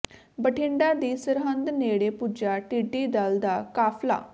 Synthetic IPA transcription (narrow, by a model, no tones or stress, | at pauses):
bəʈʰɪ̃ɳɖãːd̪iːsəɾɦə̃nd̪neːɽeːpud͡ʒaːʈiːɖiːd̪ald̪aːkaːpʰla̰ː